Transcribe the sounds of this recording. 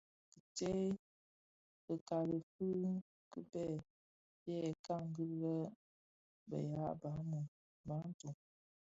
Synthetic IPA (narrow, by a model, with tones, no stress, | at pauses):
kə˨te˦ | ə˨ka˨lə˨fɨ˦ | kə˦bɛ˦˨ | jɛ˦˨ka˦˨ŋ˦ɡə˦lə˦ | bə̰˨ja˦ʔba˨˦mu˨ | ba˨˦n˦tu˨